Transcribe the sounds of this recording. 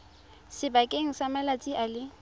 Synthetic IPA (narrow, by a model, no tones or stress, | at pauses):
sɪbakʼeŋ̩samalat͡sʼiʔalɪ